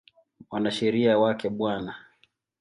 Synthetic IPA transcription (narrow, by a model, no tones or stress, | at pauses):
wanaʃɛɾiawakɛɓwana